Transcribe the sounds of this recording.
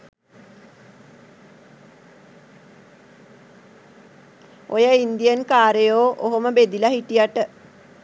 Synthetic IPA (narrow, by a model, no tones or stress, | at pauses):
ojəind̪ijənkaːɾəjoːʔoɦoməbed̪ilaɦiʈijaʈə